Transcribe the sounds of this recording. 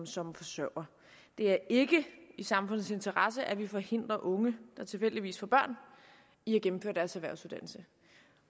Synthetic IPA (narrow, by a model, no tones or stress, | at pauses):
msɒ̽mfɒ̽sɶʊ̰ɐ | d̥e̝æɐe̝ɡ̥əisɑ̈mfɔ̽n̰ð̩ˠse̝nt͡sʰɐʁɑsəʔæʋifɒ̽he̝n̰d̥ʁɐʔɔ̽ŋəd̥ɑ̈t͡sʰe̝lfel̰d̥iʋḭːsfɒb̥ɶɐ̰n | iæɡ̥emm̩fø̰ːɐd̥æɐsæʋæɐʊsuð̥ˠænl̩sə